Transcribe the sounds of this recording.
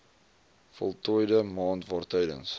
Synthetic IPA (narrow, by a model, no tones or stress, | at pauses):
fɔ̰lˠtɔjdəmɑːntvɑːrtəjdə̰ns